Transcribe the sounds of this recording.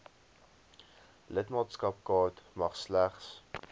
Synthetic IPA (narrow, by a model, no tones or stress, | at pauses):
lətmɑːtskɐp̚kɑːtmɐχslæχs